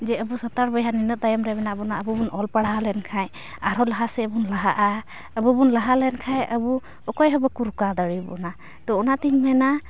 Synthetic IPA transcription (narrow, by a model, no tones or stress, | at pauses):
zɛəbusataɹbɔjɦaninɔt̚ːajɔmɾabɛnaːbɔnaəbubunʔɔlpaɽaɦalɛnkʰaj | aɾɔlaɦasɛbunlaɦa̰ʔa | əbubunlaɦalɛnkʰajʔəbu | ɔkɔjɦɔbɔkuɾukad̪aɹibɔ̰na | t̪ɔɔnatiŋmɛna